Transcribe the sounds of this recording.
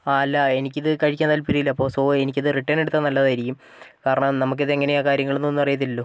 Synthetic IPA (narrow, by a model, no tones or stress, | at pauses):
aːɐlːɐe̞nikʲːɐðɨkɐɻikʲːaːnt̪ɐlpiɾijilːɐɐpːo̞ːsoːenik̬ʲːɐðɨriʈːɐneɽut̪ːɐnɐlːɐðaːjiɾikʲːum | kaːɾɐɳɐmnɐmuk̬ːiðeeŋːɐneaːkaːɾjɐŋːɐɭenːonːupɐrijɐt̪ːilːoː